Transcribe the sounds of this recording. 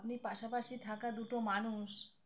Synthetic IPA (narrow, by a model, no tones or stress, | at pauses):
pnipaʃapaʃit̪ʰakad̪uʈomanuʃ